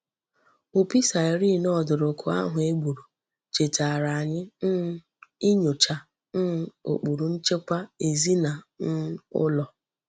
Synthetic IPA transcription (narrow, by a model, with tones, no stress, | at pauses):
ʊ˨pi˦sa˨ɾi˦˨nɔ˦˨dʊ˨ɾʊ˨kʰʊ˨a̰˦ɦʊ˨e˦ɡ͡bu˨ɾu˨ | t͡ʃe˨ta˨ɾa˨ɲɪ˦ | ɪ˦ɲʊ˨t͡ʃa˨ | n̩˦˨o̰˨k͡pu˨ɾu˨n̩˦t͡ʃe˦kʷa˦e˨zi˦na˨n̩˦ʊ̰˦lɔ˨